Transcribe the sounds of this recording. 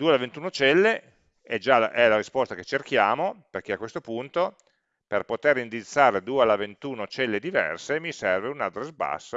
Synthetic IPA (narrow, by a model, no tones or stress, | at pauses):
d̪uealavent̪uːnot͡ʃɛlːe | ɛd͡ʒaʔɛlaɾispɔst̪aket͡ʃːerkjaːmoperkeakwest̪opunt̪o | perpot̪erind̪it̪sːaːɾed̪uːealavent̪uːnot͡ʃɛlːed̪ivɛ̰rsemisɛrveunad̪ɾesba̰sː